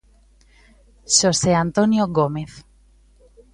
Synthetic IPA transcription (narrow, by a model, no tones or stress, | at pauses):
ʃoseant̪onjoɣomeθ